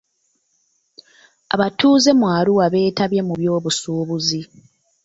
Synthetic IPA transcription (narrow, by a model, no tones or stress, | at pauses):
a̰βatuːze̞mwaːluwaβe̞ːtaβjemuβjo̞ːβusuːβuzi